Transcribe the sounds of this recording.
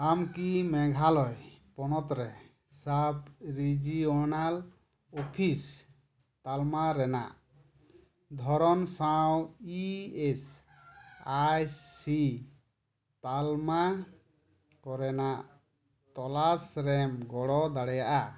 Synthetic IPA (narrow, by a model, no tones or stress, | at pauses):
amkimɛɡʱalɔjpɔnɔt̪ɾɛ | sabɾid͡ʒiɔnal | ɔpʰis | t̪almaɾɛna̰ʔ | d̪ʱɔɾɔnsawiɛs | ajsi | t̪alma | kɔɾɛnaʔ | t̪ɔlasɾɛmɡɔɽɔd̪aɽɛjaʔa